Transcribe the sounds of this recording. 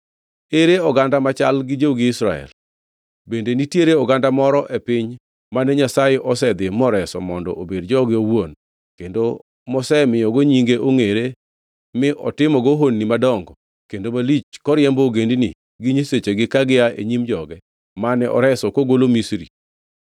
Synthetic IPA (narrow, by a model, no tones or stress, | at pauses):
eɾeɔɡandamat͡ʃalɡɪd͡ʒowɡɪɪsɾa̰ɛ̰l | bendenitjeɾeɔɡandamɔɾɔʔepɪɲ | manɛɲasajeʔɔsɛd̪ɪmɔɾɛsɔ̰mɔndɔ̰ʔobedd͡ʒɔɡɪowon | kendo | mɔsɛmɪjɔɡoɲiŋɡeʔoŋeɾe | mɪʔɔ̰tɪmɔɡoɦonːimadɔŋɡɔ | kendomalit͡ʃkɔɾjɛmbɔoɡendinḭ | ɡiɲiset͡ʃeɡɪkaɡɪaʔḛɲimd͡ʒɔɡɛ | manɛʔɔ̰ɾɛsɔkoɡolomisɾḭ